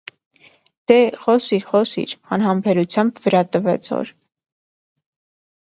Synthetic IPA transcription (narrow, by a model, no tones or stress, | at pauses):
d̪̥ɛχɔsiɾχɔsḭɾɑnɦɑmpʰɛɾut͡sʰjɑmbvəɾɑt̪əvɛ̰t͡sʰɔ̰ɾ